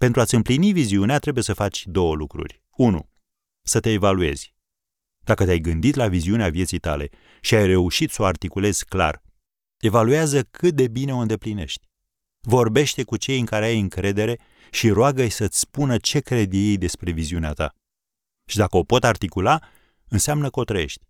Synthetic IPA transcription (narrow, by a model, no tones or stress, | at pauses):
pe̞nt̪ɾuat̪sʲɨmpliniviziuneat̪ɾe̞buje̞səfat͡ʃʲd̪o̞wəlukɾṵrʲ | unṵ | sət̪e̞ːvalue̞̰z̥ʲ | d̪̥akət̪eajɡɨnd̪it̪laviziuneavije̞t̪sijt̪a̰le̞̰ | ʃiajre̞uʃit̪sooart̪ikule̞z̥kla̰r | e̞valuazəkʰɨt̪̚d̪e̞bine̞o̞ɨnd̪e̞pline̞̰ʃt̪ʲ | vo̞rbe̞ʃt̪ekut͡ʃe̞jɨŋkaɾeajɨŋkɾe̞d̪e̞ɾe̞ | ʃiɾoaɡəjsət̪sʲspunət͡ʃe̞kɾe̞d̪jejd̪e̞spɾe̞viziuneat̪a̰ | ʃid̪akəo̞po̞t̪art̪ikula | ɨnseamnəkəo̞t̪ɾəje̞̰ʃt̪ʲ